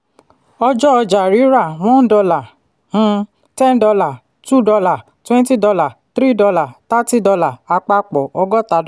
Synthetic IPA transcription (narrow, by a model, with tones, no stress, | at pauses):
ɔ˧d͡ʒɔ˦ɔ˧d͡ʒa˨ɾi˨˦ɾa˦˨w̃ɔ̃˦n̩˦dɔ˧la˨ | h̩˧ | tɛ˦ndɔ˧la˨ | tu˦˨dɔ˧la˨ | twɛ̃˦n˦ti˦dɔ˧la˨t̪ɾi˦˨dɔ˧la˨ta˦ti˦˨dɔ˧la˨a˧k͡pa˧k͡pɔ˨ɔ˧ɡɔ˦ta˨˦d